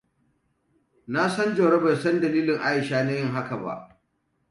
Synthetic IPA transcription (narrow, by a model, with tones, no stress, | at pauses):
na˦sɐ˦nd͡ʒo˨ɽɐ˦ba˨jsɐ˦ndɐ˨liː˦lɪ˨ŋʔa˦jɪ˨ʃaː˦na˦jɪ˦ŋɦa˦ka˨ba̰˦˨ʔ